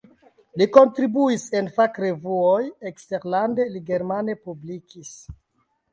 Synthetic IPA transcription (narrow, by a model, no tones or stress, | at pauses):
liko̞ntɾibuise̞nfakɾe̞vuojekste̞ɾlande̞liɡe̞ɾmane̞publikis